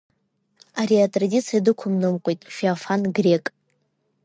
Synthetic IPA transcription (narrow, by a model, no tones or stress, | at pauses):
aɾiatʼradʲit͡sʰijadɨkʷʰʊmnɨmqʷʼejtʼfiafanɡrʲekʼ